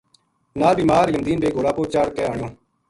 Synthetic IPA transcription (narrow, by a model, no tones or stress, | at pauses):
naːlbiːmaːɾjənd̪iːnbeːɡoːɽaːpoːt͡ʃaːɽkɛːaːɳjõː